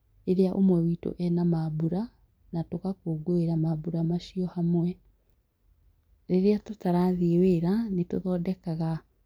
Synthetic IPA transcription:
eɾeaʔomwɛwito̰ʔɛnamabuɾa | natokakoɡoeɾamabuɾamaɕiɔhamwɛ | ɾeɾeatotaɾaðeweːɾaneto̰ðɔːdɛkaɣa

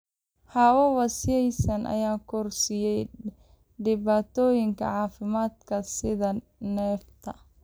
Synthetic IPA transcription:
hawɔwɑsjɛjsɐnʔɐ̰jaːkʰɔrsɪjɛj | ɖɪβaːt̪ʰɔːjɪŋkʰɐ̰ʕɑːfɪmaːd̪kʰɐsɪðɐ | nɛːft̪ʰɐ

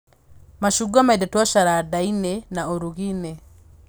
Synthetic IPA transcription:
maʃuɡamaidɛtwaʃaɾadainɛnaoɾuɣinɛ

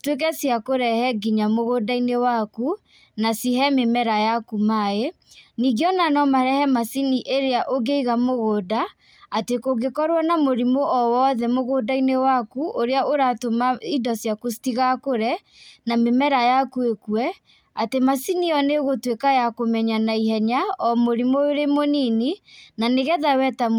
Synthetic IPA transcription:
twek̬ɛsjakoɾɛhɛɡiɲamoɣodainewaku | nasiɦɛmemɛɾajakumae | niɡeɔnanɔmaɾɛhɛmasiniʔeɾeaʔoɡeiɣamoɣoːdaː | tekoɡekɔɾwanamoɾimoʔɔwɔðɛmoɣodainewakuʔoɾeaoɾatomaidɔsjakositiɣakoɾɛ | namemɛɾajakuekwɛ | atemasiniɔneɣotwekajakomɛɲanaiɦɛɲaɔmoɾimooɾemonininaneɣɛðawɛta

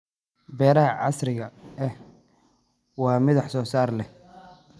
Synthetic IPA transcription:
bɛːɾɐɦɐʕɑsrɪɣɐʔɛh | wɑːmɪðɑħsɔːsaːrlɛ

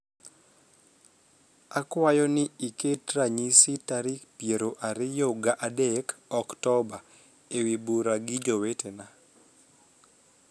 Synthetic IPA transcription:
akwajɔnɪiketraɲisitaɾikpijeɾoʔaɾɪjoɡaʔadekɔktɔba | ewibuɾaɡɪd͡ʒowetena

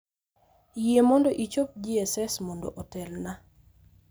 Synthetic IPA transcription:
jiemɔndɔʔit͡ʃop̚d͡ʒiɛsɛsmondo̰ʔɔtɛlna

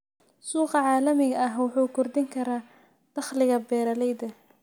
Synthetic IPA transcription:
suːqɑʕɑːlɐmɪɣɐɐɦwɑħuːkʰʊrd̪ɪŋkʰɐɾaː | d̪̥ɑχlɪɣɐbɛːɾɐlɛjd̪ɐ

